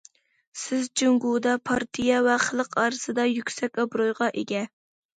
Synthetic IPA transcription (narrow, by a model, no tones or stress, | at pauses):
sɪzd͡ʒyŋɡud̪ɑpʰɑɾt̪ʰijɑvɛχəlˠəqʰɑːɾɨsɨd̪ɑjykʲsɛkʲɑbɾojʁɑʔeɡʲɛ